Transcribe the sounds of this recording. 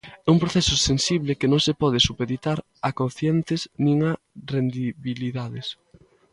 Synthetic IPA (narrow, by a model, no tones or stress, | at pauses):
ɛumpɾoθɛsʊsensiβlɪkenõŋsepɔð̞ɪsupeðit̪aɾ | akonθjɛnt̪ɪznĩŋa | rend̪iβiliðaðes